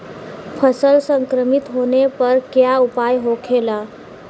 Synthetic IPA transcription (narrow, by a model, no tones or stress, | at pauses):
pʰəsəlsəŋkɾəmit̪ɦonepəɾkjaupajɦokʰelə